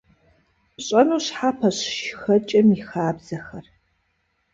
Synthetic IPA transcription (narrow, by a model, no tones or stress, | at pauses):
ɕʼɐnuːɕħaːpʰɐɕʃxɐt͡ʃʼɐmixaːbz̥ɐxɐr